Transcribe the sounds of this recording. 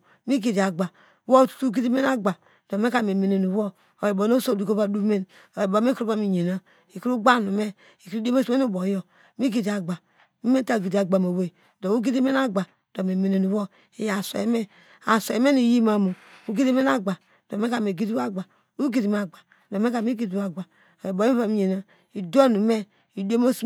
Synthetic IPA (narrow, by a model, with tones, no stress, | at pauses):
mi˦ɡi˨di˨a˨ɡ͡ba˨ | wo˦tu̥˦tu˦ɡi˦di˦me˦na˦ɡ͡ba˨ | d̥o˨me˦ka˦˨me˨me˨ne˨nu˨wo˦ | o˨ji˨bo˨no˦so˦˨di˨ko˦ba˦du˦me˦n | o˨ji˨ba˨˦me˦kɾu˦ba˦mi˨ɲe˨na˦ | i˨ki˦ɾu˦ɡ͡ba˦˨nu˨me˦ | i˨ku˦de˦me˦sme˦u˦bo˨jo˨ | mi˦ɡi˨di˨a˨ɡ͡ba˨ | mi˦me˦ta˦˨ɡi˨di˨a˨ɡ͡ba˨mo˨we˦˨ | do˨u˦ɡi˦di˦me˦n˦a˦ɡ͡ba˨ | d̥o˨me˨me˨ne˨nu˨wo˦ | e˨ja˨sḛ˨e˨me˦ | a˨so˨e˨me˦ni˨ji˦ma˨mo˨ | u˦ɡi˦di˦me˦na˦ɡ͡ba˨ | d̥o˨me˦ka˨me˨ɡi˦di˦a˦ɡ͡ba˨ | u˦ɡi˦di˨m˦a˨ɡ͡ba˨ | do˨me˦ka˨mi˦ɡi˦da˨ɡ͡ba˨ | o˨ji˨bo˨˦βa˦mi˨ɲe˨na˦ | i˨da˦nu˨˦me˦ | i˨de˦mo˦s